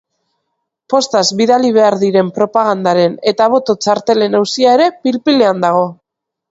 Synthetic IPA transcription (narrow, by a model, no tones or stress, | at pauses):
po̞st̪azβiðaliβ̞e̞aɾðiɾe̞mpɾo̞paɣ̞and̪aɾe̞ne̞t̪aβ̞o̞t̪o̞t͡ʃaɾt̪e̞le̞nawsiae̞ɾe̞pilpile̞and̪aɣ̞o̞